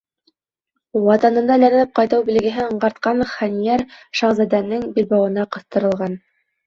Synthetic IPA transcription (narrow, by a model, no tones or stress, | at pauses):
wɑt̪ɑnɤ̆nd̪ɑlæn̆nɘp̚qɑjt̪ɤwbĭlɘ̆ɡɘ̆ɦɘɤ̆ɴɢɑɾt̪̚qɑnχænijæɾʃɑʁzæd̪ænːɘŋbilbɑwɤ̆nɑqɤ̆θt̪ɤ̆ɾɤ̆lˠʁɑn